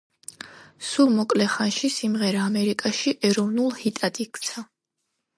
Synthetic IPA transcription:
sulˠmɔkʼlɛχanʃisimʁɛɾaːmɛɾikʼaʃiʔɛɾɔvnulˠhit̪ʼad̪ik̪ʼsʰa

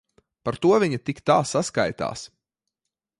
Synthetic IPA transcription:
paɾt̪uɔvʲiɲɐt̪ikt̪aːsaskajt̪a̰ːs

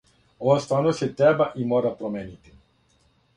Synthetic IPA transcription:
ɔst̪anoset̪ɾɛbaʔimɔɾapɾomɛnit̪i̥

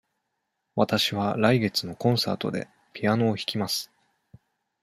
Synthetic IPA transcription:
βat̪aɕiβaɾaiɡe̞t͡sɨno̞kõ̞ɰ̃sa̰ːt̪o̞d̪e̞̰ | pʲiano̞ːçi̥kʲimasɨ̥

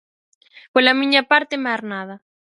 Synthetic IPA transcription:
polamiɲapaɾt̪emaɾnaðɐ

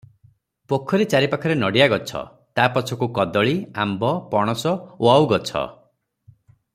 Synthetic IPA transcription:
pokʰːɔɾit͡ʃaɾipakʰɔɾenɔɽijaɡɔt͡ʃʰɔ̰ | t̪apɔt͡ʃʰɔkukɔd̪ɔɭiambɔpɔɽ̃ɔsɔoawɡɔt͡ʃʰɔ̰

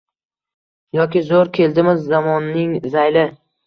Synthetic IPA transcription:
jɒkʲɪzoɾkʲʰe̞ld̪ɪmɪzːamɒnːɪŋzajlɪ

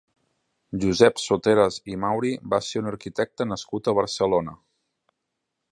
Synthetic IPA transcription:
ʒuzɛpsot̪eɾəzimawɾibaseunəɾkit̪ɛk̚t̪ənəskut̪əβəɾsəlonə

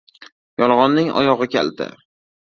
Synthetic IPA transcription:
jɒlˠʁɒnːɪŋɒ̰jɒʁɨkʲḛld̪ɪ̰

